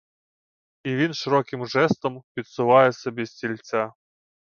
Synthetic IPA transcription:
iʋʲinʃɪɾɔkɪmʒɛst̪ɔmpʲit̪sʊʋɑjɛsɔbʲisʲtʲilʲt͡sʲa

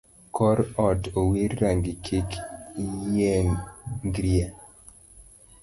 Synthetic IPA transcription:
kʰɔɾɔdowiɾːaŋɡɪkʰek | jɛnɡɾia

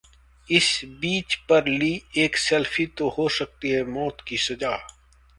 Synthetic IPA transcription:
ɪsbiːt͡ʃpɐɾliːeːksɛlfit̪ohosɐk̚t̪iɦɛmɔːt̪kisɐzaː

